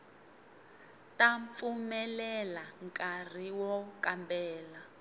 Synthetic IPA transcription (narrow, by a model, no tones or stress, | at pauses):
tʼaɱp̪fumɛlɛlaŋkʼar̤iwɔkʼambɛːla